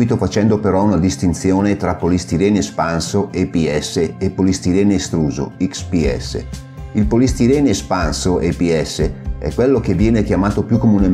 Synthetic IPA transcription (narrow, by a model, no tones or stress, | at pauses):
it̪ofat͡ʃɛnd̪opeɾɔunad̪ist̪int̪sjoːnet̪ɾapolist̪iɾɛːnespansoʔepiɛsːeepːolist̪iɾɛːneːst̪ɾuːzo̰ikspiɛ̰sːḛ | ilpolist̪iɾɛːneespansoʔepiɛsːeɛ̰kːwelːokevːjɛːnek̟jamaːt̪opjukːomune